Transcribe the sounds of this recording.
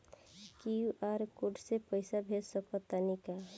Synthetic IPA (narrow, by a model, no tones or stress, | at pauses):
kiuʔaɾkoɖʱsepəɪsabʱelsəpət̪ːanika